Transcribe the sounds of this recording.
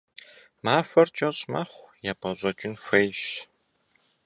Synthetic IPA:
maːfɐrt͡ʃʼɐɕʼma̰χʷjaːpʰʼɐɕʼɐt͡ʃʼɪnfʷejɕ

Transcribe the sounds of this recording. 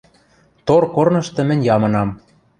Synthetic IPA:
t̪orkornɤ̆ʃt̪ɤ̆mɘ̆nʲjɑmɤ̆nɑm

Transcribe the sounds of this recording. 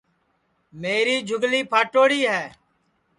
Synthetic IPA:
meːɾiːd͡ʒʱʊɡliːpʰaːʈoːɽiːɦɛː

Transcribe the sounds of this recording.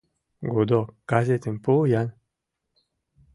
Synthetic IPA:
ɡod̪ɔkaset̪ɯnpojan

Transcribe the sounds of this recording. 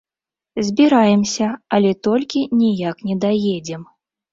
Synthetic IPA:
zʲbʲiɾajɛmsʲɐɐlʲɛt̪ɔlʲkʲinʲijaknʲɛd̪ajed͡zʲɛm

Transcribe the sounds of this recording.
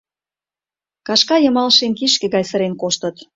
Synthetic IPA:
kɑʃkɑjə̆mɑlʃemkiʃkĕɣɑjsə̆ɾenkoʃt̪ə̆t̪

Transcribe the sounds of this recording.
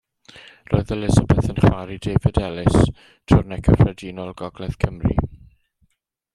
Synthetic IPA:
roːɨðəlɪzəbɛθənχwaɾideːvɪdɛlɪs | tʰʊrnɛkʰəfrɛdiːnɔlˠɡɔɡlɛθkʰəmrḭ

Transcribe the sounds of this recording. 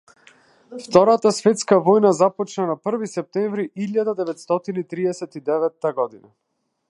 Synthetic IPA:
ft̪ɔɾat̪asvɛt̪skavɔjnazapɔt͡ʃnanapr̩visɛp̚t̪ɛɱvɾiʔiʎːad̪ad̪ɛvɛt̪st̪ɔt̪init̪ɾiɛsɛt̪id̪ɛvɛt̪ːaɡɔd̪ina

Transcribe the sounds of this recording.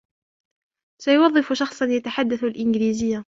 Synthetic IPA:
sajʊwɑðˤːɨfʊʃɑxsˤɑnjat̪aħad̪ːaθʊlʔɪnɡliːzɪjːa

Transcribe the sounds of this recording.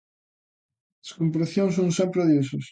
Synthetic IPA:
ɐskompɾeθjoŋsoŋsempɾeðes̬ɐs

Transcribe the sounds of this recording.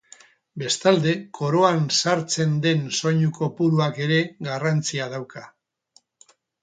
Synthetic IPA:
be̞st̪ald̪e̞kʰo̞ɾo̞ansaɾt͡se̞nd̪e̞nso̞ɲuko̞puɾuake̞ɾe̞ɣarant͡siað̞awka

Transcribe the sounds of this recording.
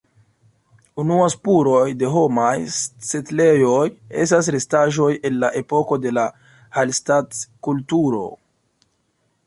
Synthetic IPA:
unuaspuɾo̞jde̞ɦo̞majsetle̞jo̞je̞̰s̬tas̬ɾestaʒo̞je̞nlaʔe̞po̞ko̞de̞la | halstatkultuɾo̞̰

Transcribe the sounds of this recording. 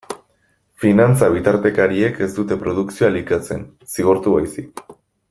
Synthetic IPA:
finant͡saβ̞it̪aɾt̪e̞kaɾie̞ke̞st̪ut̪e̞pɾo̞ð̞uksioalikat͡se̞̰n | siɣ̞o̞ɾt̪uβajsik

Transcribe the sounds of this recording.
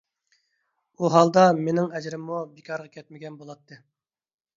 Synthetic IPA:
uɦɑlˠd̪ɑmenɪŋɛd͡ʒɾɪmːubikʰʲɑɾʁɑkʲʰɛt̪̚mɪɡʲɛnbolˠɑt̪ʰːɨ

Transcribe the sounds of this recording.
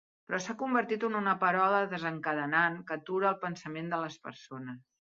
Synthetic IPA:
pɾɔsakumbəɾt̪it̪ununəpəɾɔləðəzəŋkəðənankət̪uɾəːlˠpənsəmend̪ələspə̰ɾsonəs

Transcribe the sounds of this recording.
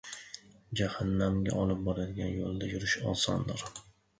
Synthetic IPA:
d͡ʒahanːamɡʲa̰ʔɒlˠɪp̚bɒɾad̪ɪɡʲanjolˠd̪ajʊɾɪʃɒ̰sɒnd̪ɪɾ

